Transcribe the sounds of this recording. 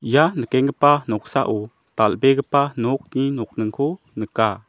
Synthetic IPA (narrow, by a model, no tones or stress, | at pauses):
janəkɛŋɡəpanɔk̚sa̰ʔo | t̪albɛɡəpanɔk̚ninɔk̚nəŋkʰu | nəka